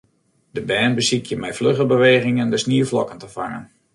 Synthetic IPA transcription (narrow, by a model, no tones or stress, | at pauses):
d̥əbɛːnbəsikjəmɛjfløχəbəʋeːɣɪŋəndəsniəflɔkəntəva̰ŋə̰n